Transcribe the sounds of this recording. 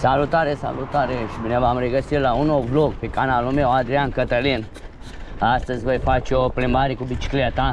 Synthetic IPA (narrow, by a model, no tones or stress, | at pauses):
saːlut̪aɾesa̰ːlut̪aɾeʃbinebaamɾeɡɐsilaunobloɡ̚pikanaːlumewad̪ɾjãːnkɐt̪ɐlin | aːst̪ɐzbɐjpaːt͡ʃʰoplimbaːɾikubit͡ʃi̥klat̪ãː